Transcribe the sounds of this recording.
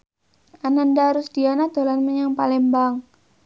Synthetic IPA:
anandaɾʊsdianat̪olanmaɲaŋpalɛmbaŋ

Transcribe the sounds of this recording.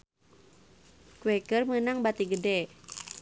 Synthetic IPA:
kuwɛkərmənaŋbat̪iɡədɛ

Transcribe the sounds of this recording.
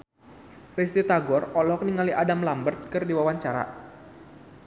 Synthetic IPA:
rist̪it̪aɡɔrɔlɔk̚niŋaliʔadamlambərt̪̚kɨrdiwawaɲt͡ʃaɾa̰

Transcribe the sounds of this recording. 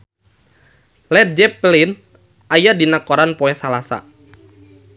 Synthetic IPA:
lɛt̪̚d͡ʒɛplɪn | ʔajadinakɔɾanpɔɛsalasa̰

